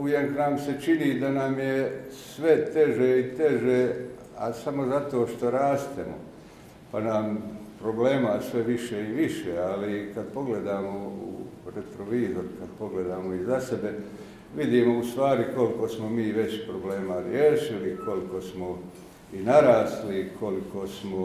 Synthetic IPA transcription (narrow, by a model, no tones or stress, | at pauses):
ujeknaːmse̞t͡ʃinid̪anaːmjesʋe̞t̪e̞ʒeit̪e̞ʒeː | asamo̞zat̪o̞ːʃt̪o̞ɾaːst̪emo̰ | panaːmpɾo̞ble̞ːmaːsʋe̞ʋiʃeiʋiʃealikad̪po̞ɡle̞d̪aːmoṵɾet̪ɾoʋiːzoɾkad̪̥po̞ɡle̞d̪aːmoizase̞be̞ | ʋid̪iːmoust̪ʋaːɾiko̞liko̞smomiːʋe̞t͡ɕpɾoble̞ːmaɾjeːʃiliko̞likosmo | inaɾaːslikʰo̞likʰosmo